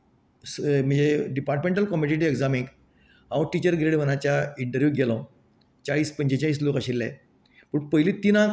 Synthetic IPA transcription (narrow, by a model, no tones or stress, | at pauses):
sm̤əd͡zeɖipaɾʈmẽɳʈəlkɔmiɽiʈ̬ieɡd͡zamiŋɡ | ɦãwʈit͡ɕəɾɡɾeɽʋənat͡ɕjaiɳʈəɾʋjuɡʱelãw | t͡ɕaɭiːspəɲt͡ɕet͡ɕaɭiːs̬lokaɕilːɛ̰ | pəɳpəɦilit̪ina